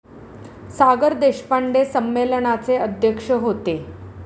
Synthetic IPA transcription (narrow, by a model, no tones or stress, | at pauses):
saɡəɾd̪eɕpaɳɖesəmːeləɳat͡seəd̪ʱjəkʂəɦot̪e